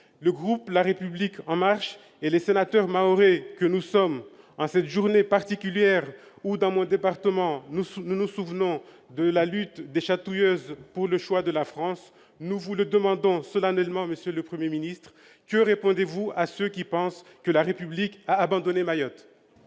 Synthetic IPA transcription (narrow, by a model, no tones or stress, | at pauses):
ləɡʁuplaʁepyblikʰɑ̃maʁʃ | elesenat̪œʁmaoʁekənusɔm | ɑ̃sɛt̪ʒuʁnepaʁt̪ikʲyljɛʁud̪ɑ̃mɔ̃d̪epaʁt̪əmɑ̃nununusuvnɔ̃ | d̪əlalyt̪d̪eʃat̪ujøzpuʁləʃwad̪əlafχɑ̃s | nuvuləd̪əmɑ̃d̪ɔ̃sɔlanɛlmɑ̃məsjøləpχəmjeminist̪χ | kəʁepɔ̃d̪evuasøkʲipɑ̃skəlaʁepyblikaːbɑ̃d̪ɔnemajɔt̪